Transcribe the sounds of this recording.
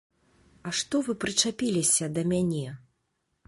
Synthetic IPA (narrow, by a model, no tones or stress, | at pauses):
ɐʂt̪ɔvɨpɾɨt͡ʂapʲilʲisʲɐd̪ɐmʲanʲɛ